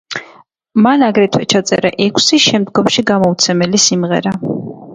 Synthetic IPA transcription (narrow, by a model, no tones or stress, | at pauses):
manaɡɾɛt̪ʰwɛt͡ʃʰat̪sʼɛ̰ɾa̰ʔɛkʷʰsiʃɛmd̪ɡɔmʃiɡamɔut̪sʰɛmɛlisimʁɛ̰ɾa